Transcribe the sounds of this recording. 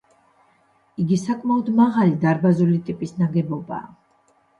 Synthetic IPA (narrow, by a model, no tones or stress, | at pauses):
iɡisakʼmaɔd̪maʁalid̪aɾbazulit̪ʼipʼisnaɡɛbɔba̰ː